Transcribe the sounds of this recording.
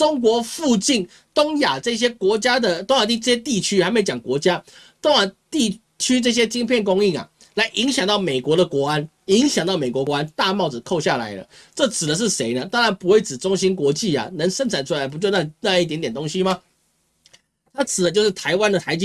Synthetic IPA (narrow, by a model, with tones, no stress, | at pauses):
ʊ˥ŋk̬wɔ˧˥fu˥˧t͡ɕi˥˩n | t̪ʊ˥ŋja˨˩ʈ͡ʂɤ˥˩ɕ̬jɛ˥kwɔ˧˥t͡ɕja˥d̪ə˨t̪o˥ŋa˨˩t̪i˥˧ʈ͡ʂɤ˥˧ɕjɛ˥t̪i˥˧t͡ɕʰy˥xa˧˥m˧˥t͡ɕjɑ˨˩ŋkwɔ˧˥t͡ɕja˥ | t̪ʊ˥ŋja˨˩t̪i˥˩ | t͡ɕʰy˥ʈ͡ʂɤ˥˩ɕ̬jɛ˥t͡ɕi˥ŋpʰjɛ˥˩nk̬ʊ˥ŋi˥˩ŋa̰˩ | la˧˥ɪʔi˧˥ŋɕjɑ˨˩ŋt̪ɑ˥˩ʊme˨˩ɪkwɔ˧˥ɾə˨kwɔ˧˥a˦n | i˧˥ŋɕjɑ˨˩ŋt̪ɑ˥˩ʊme˨˩kwɔ˧˥kwɔ˧˦˥a˥nt̪a˥˧mɑ˥˩ʊd͡zɹ̩˨˩kʰo˥˧ʊɕja˥˩la̰˧˥ɪlə̰˧ʈ͡ʂɤ˥˩t͡sɹ̩˨˩d̪ə˦ʂ̬ɻ̩˥˩ʂe˧˥ɪnə˧t̪ɑ˥ŋɻa˧˥npu˧˥we˥˩ɪt͡sɻ̩˨˩ʈ͡ʂʊ˥ŋɕi˥nkwɔ˧˥t͡ɕi˥˩a̰˨˩nə˧˥ŋʂə˥˧ntʰa˨˩nʈ͡ʂʰu˥la˧˥ɪpu˧t͡ɕjo˥˧ʊna˥˧na˥˧i˩t̪̬jnt̪jɛ˨˩nt̪o˥ŋɕi˥ma˨ | t̪ʰa˥t͡sʰɹ̩˨˩ə˨˦t͡ɕo˥˧ʊʂɻ̩˥˩t̪ʰa˧˥ɪwa˥nd̪ə˨t̪ʰa˧˥ɪt͡ɕi˥